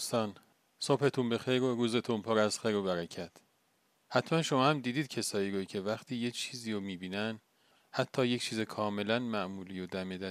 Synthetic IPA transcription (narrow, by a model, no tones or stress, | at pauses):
d̪ust̪ɒːn | sobhe̞t̪ʰunbe̞xejɾoɾuːze̞t̪ʰunpʰɒːɾæzxejɾobæɾæcʰæt̪ʰ | hæt̪ʰmænʃo̞mɒːhæmd̪iːd̪iːd̪̚cʰe̞sɒːiːɾoicʰe̞væχt̪ʰiːje̞t͡ʃʰiːziːɾomiːbiːnæn | hæt̪ʰːɒːject͡ʃʰiːzekʰɒːme̞lænmæʔmuːliːjod̪æmed̪æ